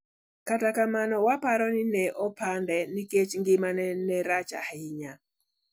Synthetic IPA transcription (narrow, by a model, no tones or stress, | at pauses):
katakamanɔwapaɾɔnɪnɛʔɔpʰandɛniket͡ʃŋɡɪmanɛnɛɾat͡ʃa̰hɪɲa